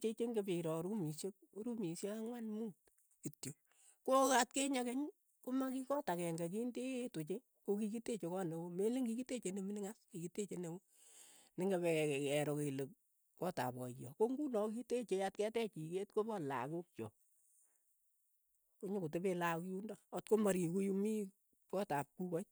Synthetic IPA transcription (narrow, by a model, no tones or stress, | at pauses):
t͡ʃet͡ʃeŋɡebiɾɔɾumisjekoɾumisjekaŋwanmuːt | kitjo | kokat̚keɲakeɲ | komakikɔtakɛŋɡak̬indejetot͡ʃe | kokikitet͡ʃekɔnewomeleŋɡikitet͡ʃeneminɪŋaskikitet͡ʃenewo | nɪŋɡaβɛkɛɾokelek | kɔta̰pɔjɔkoŋɡunɔkitet͡ʃejat̚kɛtɛt͡ʃiketkobɔla̰kuk̚t͡ʃɔ | koɲokot̬ebelakjundaɔtkomaɾikujumi | kɔtap̚kukɔt͡ʃ̚